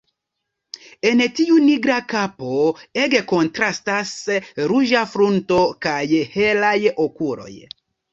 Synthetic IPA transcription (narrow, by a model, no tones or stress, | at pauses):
e̞ntiuniɡɾakapoe̞ɡe̞ko̞ntɾastasɾuʒafɾunto̞kajhe̞lajokuɾo̞̰j